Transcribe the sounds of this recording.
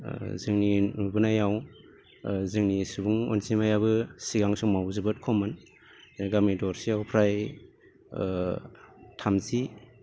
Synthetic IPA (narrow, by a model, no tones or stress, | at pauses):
zɯŋniubunajaw | zɯŋnisubuŋo̰nsimajaβɯsiɡaŋsuŋmawzɯbɯt̚kʰɔmɯn | ɡamidɔɾsijawpʰɾaj | tʰamzi